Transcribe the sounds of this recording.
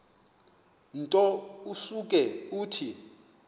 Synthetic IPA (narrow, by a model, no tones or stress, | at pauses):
ntʼɔusuk̬ʼɛuːtʰi